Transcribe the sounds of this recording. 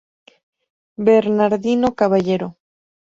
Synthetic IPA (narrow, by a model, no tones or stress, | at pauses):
beɾnaɾðino̞kaβaʝe̞ɾo